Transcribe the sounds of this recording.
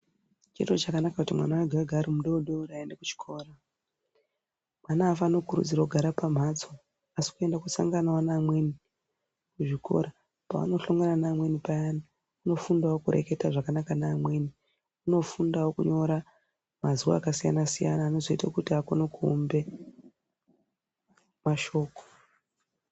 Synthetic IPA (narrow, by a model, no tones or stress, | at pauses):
t͡ʃitot͡ʃakanakakutimwa̰nawaɡʱawaɡʱaɾimuɗo̞ɗoɾaendeku̥t͡ʃi̥kʰo̞ːra | mwanaːfaːno̞kuɾṵd͡ziɾauɡʱaɾapam̤at͡so | asi̥kue̞ndakusa̰ŋɡanawanaːmwe̞ni | kuʐikʰo̞̰ɾa | pa̰a̰no̞ɬo̞ŋɡeɾanaːmwe̞nipajana | uno̞fundawokurʔe̞̰ke̞taʐakanakanaːmwe̞ni | uno̞fundawokuɲo̞ɾa | mazuwa̰ːkasija̰nasija̰naːno̞zo̞itakutiakonokṵːmbe̞ | maʃo̞ːko̥